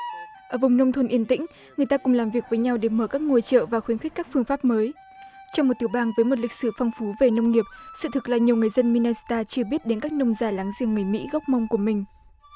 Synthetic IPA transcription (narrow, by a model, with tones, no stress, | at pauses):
ʔəː˧˩vʊ˨˩ŋ͡mnə˧wŋ͡mt̪ʰo˧nʔi˧ənt̪ḭ̈˧˥ŋ̟ | ŋɨ˨˩əjt̪aː˧kʊ˨˩ŋ͡mlaː˨˩mvi˨˩ək̚vəː˨˦jɲa˧wɗe˧˩məː˧˩kaː˦˥k̚ŋo˧əjt͡ɕə̰ː˧˨vaː˨˩xwi˨˦ənxk̟̚kaː˦˥k̚fɨ˧əŋfaː˦˥p̚məː˨˦j | t͡ɕɔ˧wŋ͡mo˨˩t̚t̪ɨ˧˩əwɓaː˧ŋvəː˨˦jmo˨˩t̬̚lï˨˩k̟̚sɨ˧˩fa˧wŋ͡mfu˨˦ve˨˩nə˧wŋ͡mni˨˩əp̚sɨ̰˧˨t̪ʰɨ˨˩k̚laː˨˩ɲi˨˩əwŋɨ˨˩əjzə˧nmi˧naː˧si̥˧t̪aː˧t͡ɕɨ˧əɓi˦˥ət̚ɗe˨˦nkaː˦˥k̚nə˧wŋ͡mzaː˧˩laː˨˦ŋzi˨˩əŋːɨ˨˩əjmḭ˧˥ɣɔ˦˥wk͡p̚mə˧wŋ͡mku˧˩əmï˨˩ŋ̟